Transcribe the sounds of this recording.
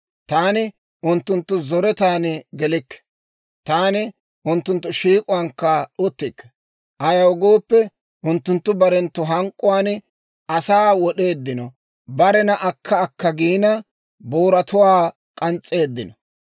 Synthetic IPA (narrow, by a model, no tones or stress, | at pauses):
t̪aːnɪ | ʔʊnt̪ːʊnt̪ːʊzɔɾɛt̪aːnɡɛlɪkːɛ̥ | t̪aːnɪ | ʔʊnt̪ːʊnt̪ːʊʃiːkʼʊwaŋkːɐɗʊt̪ːɪkːɛ̥ | ʔɐjɐwɡo̞ːpːɛ | ʔʊnt̪ːʊnt̪ːʊbɐɾɛnt̪ːʊɦɐŋkʼːʊwaːn | ɐsaːwɔɗe̞ːd̪ːɪnɔ | bɐɾɛnɐʔɐkʰːɐːkːɐɡiːnɐ | boːɾɐt̪ʊwaː | kʼɐnt͡sʼːe̞ːd̪ːɪnɔ